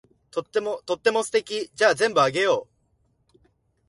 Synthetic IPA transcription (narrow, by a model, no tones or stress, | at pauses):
t̪ot̪ːemot̪o̞t̪ːe̞mo̞sɨ̥t̪e̞kʲid͡ʑaːzẽ̞mbɯ̟aɡe̞joː